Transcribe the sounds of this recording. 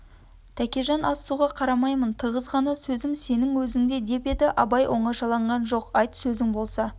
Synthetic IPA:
t̪ʰækʲe̞ʒɑnʔɑsːuʁɑqʰɑɾɑmɑjmənt̪ʰəʁəzʁɑnɑsɵzɪmse̞nɪŋwɵzɪŋd̪e̞d̪e̞pe̞d̪ɪʔɑbɑjʔo̞ɴɑʃɑlˠɑɴʁɑnʒo̞qɑjt̪sɵzɪŋbo̞lˠsɑ

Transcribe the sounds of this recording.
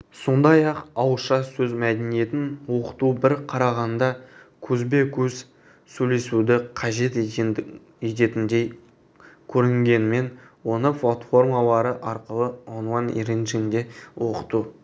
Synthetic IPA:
so̞nd̪ɑjɑqɑwəʃɑsɵzmæd̪enije̞t̪ɪnwo̞qə̥t̪ubɪɾqʰɑɾɑʁɑnd̪ɑkʲʰɵzbe̞kʲʰɵz̥ | sɵjle̞sud̪ɪqʰɑʒe̞t̪ | e̞t̪e̞t̪ɪnd̪e̞j | kʲʰɵɾɪŋɡʲe̞nɪme̞nwo̞nəflˠat̪fo̞rmalˠɑɾəʔɑɾqəlˠəonwanḭɾenʒɪnd̪e̞wo̞qə̥t̪u

